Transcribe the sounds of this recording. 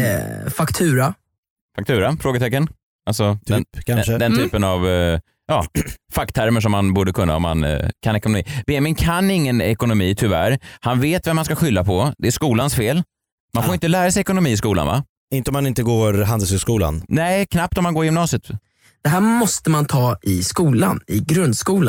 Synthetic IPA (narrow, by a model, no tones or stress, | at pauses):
fakt̪ʰʉ̟ːɾa | fak̚t̪ʰʉ̟ːɾafɾoːɡət̪ʰɛkːən | alsɔd̪ʰɛnkʰad̪əd̪ɛnt̪ʰyːpənav | jɑːfakːt̪ʰːæɾməʂ̬ɔmːanbuːɖəkʰɵnːa̰ɔ̰mːa̰nkʰanɛkʊnʊmḭːb̥eːɛmɪnkʰanːɪŋːənɛ̰kʊnʊmiːt̪ʰʏvæ̰ɾhanveːt̪vɛmːanskaɧʏlːapʰɔd̪ɛæʂkuːlansfeːl | manfoɾɪnt̪əlæːɾasɛjɛkʊnʊmiːɪs̬kuːla̰nva̰ | ɪnt̪əɔmanɪnt̪əɡoːɾɦand̪əlshʉskuːla̰nnɛɪkʰnap̚t̪ɔmanɡoːɾɪjʏmnɑːsɪət̪ | d̪̥ɛɦæːɾmɔst̪əmant̪ʰɑːʔɪskuːla̰nɪɡɾɵnd̪skuːla